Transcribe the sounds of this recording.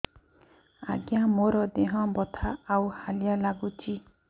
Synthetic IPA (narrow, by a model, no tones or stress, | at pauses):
a̰ɡjamoɾɔd̪eɦɔ̃bɔt̪ʰaːwhaljalaɡut͡ʃʰi